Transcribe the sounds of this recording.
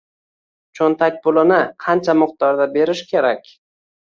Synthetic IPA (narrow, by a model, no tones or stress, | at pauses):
t͡ʃʰont̪ʰak̚ʲbʊlˠɪnɪqʰɑnt͡ʃʰamʊq̚t̪ɒɾd̪abe̞ɾɪʃkʲʰe̞ɾakʲ